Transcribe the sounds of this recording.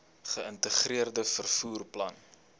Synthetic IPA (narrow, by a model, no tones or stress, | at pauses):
χəəntəχriərdəfərfuːrplɐ̰n